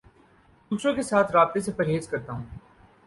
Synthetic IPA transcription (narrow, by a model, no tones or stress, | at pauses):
d̪uːʃõkesaːt̪ʰɾaːb̚t̪esepɐɾɦeːzkɐɾt̪aɦũː